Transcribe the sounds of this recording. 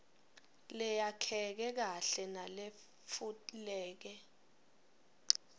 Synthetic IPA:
lɛjakʰɛk̬ɛk̬aɬɛnale | fulɛːk̬ɛ

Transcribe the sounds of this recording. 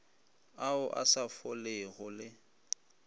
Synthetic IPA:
aʊʔa̰safɔlɪɣʊlɪ

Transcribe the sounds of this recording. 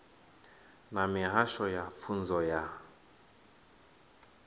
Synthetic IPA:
namiɦaʃɔjafund͡zɔja

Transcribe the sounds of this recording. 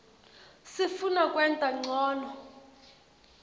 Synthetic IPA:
sifunakʼwɛntʼaŋ͡ǀʱɔːnɔ

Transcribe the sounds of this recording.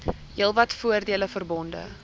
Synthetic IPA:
ɦiəlˠvɐtfuərdiələfərbɔndə̰

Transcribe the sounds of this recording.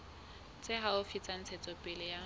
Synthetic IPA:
t͡sʼɪɦaʊfit͡sʼan̩t͡sʰɛt͡sʼɔpʼɪlɪja

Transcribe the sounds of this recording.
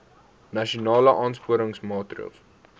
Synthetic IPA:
nɐʃonɑːləʔɑːnspuəɾəŋsmɑːtrə̰lˠs

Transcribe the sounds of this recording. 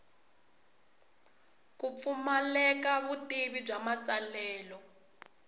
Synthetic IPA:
kup̪fumalɛkaβutiβib͡ʐamat͡salɛːlɔ

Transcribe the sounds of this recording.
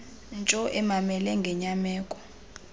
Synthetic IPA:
nt͡ʃʼɔʔɛmamɛlɛŋɡʱɛɲamɛːkʼɔ̥

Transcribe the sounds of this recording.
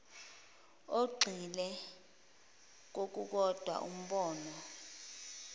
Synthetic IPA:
oɡ͡ǃʱilɛ | k̬ok̬uk̬ɔd̥ʱwa̰ʔum̩ɓɔːnɔ

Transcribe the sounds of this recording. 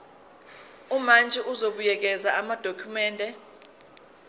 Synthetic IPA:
umand͡ʒʱɛʔuzoɓujɛk̬ɛzaamad̥ʱokʰumɛːndʱɛ

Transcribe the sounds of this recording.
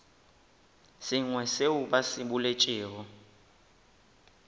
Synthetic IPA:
sɪŋwɛseuɓasiɓulet͡ʃʼiːɣɔ

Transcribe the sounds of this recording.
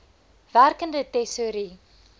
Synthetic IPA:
værkəndətɛsuɾi

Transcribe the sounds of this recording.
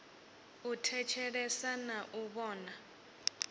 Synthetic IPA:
utʰɛt͡ʃʰɛɺɛsanaʔuɓɔːna

